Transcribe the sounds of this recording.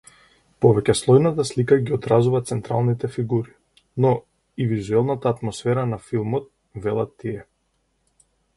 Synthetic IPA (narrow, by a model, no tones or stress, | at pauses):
pɔvɛcɛslˠɔjnat̪aslikaɡiɔd̪ɾazuvat̪sɛnt̪ɾalˠnit̪ɛfiɡuɾi | nɔ | ivizuɛlˠnat̪aːt̪mɔsfɛɾanafilˠmɔt̪̚ | vɛlˠat̪ːiɛ